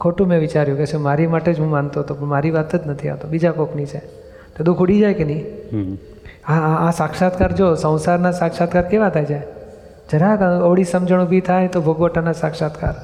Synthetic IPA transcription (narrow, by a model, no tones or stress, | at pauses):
kʰoʈũmɛ̃ʋit͡ʃaɾjũkeʃũmaɾimaʈed͡ʒɦũmant̪oɦət̪opəɳmaɾiʋat̪ed͡ʒnət̪ʰia̰ʋt̪obid͡ʒakokʰnit͡ʃʰe | t̪od̪ũkʰuɽid͡ʒajkenəĩ | aːsakʃat̪kaɾd͡ʒosə̃w̃saɾnasakʃat̪̚kaɾkeʋat̪ʰajd͡ʒa | d͡ʒəɾakəʋɭisəmd͡ʒəɳ̃ubʱit̪ʰajt̪obʱoɡʋəʈanasakʃat̪ka̰ɾ